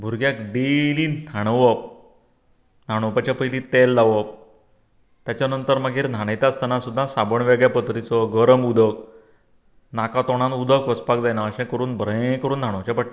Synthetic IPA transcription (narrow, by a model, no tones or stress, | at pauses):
bʱuɾɡjak̚ɖelinʱaɽ̃ʋəp̚ | nʱaɽ̃opat͡ɕapəjlĩːt̪elːaʋəp̚ | t̪jat͡ɕjanənt̪əɾmaɡʱiːɾn̤ʱaɽ̃ajt̪əst̪ənasud̪ʱːãsabəɳʋeɡjapət̪ɾit͡sɔɡəɾəmud̪ʱək | nakat̪oɽ̃ãnud̪əkʋəspak̚d͡zajnaəɕɛ̃kəɾuːnbʱɾə̃kəɾuːnd̪̤ʱaɽ̃əʋt͡ɕapəʈ